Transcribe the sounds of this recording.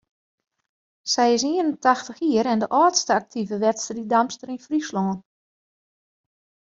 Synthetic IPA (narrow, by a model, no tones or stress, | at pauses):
sɛjɪs̬iənəntaxtəxiəɾɛndəʔɔːtstəak̚tʰivəʋɛtstridamstəɾinfrislɔːn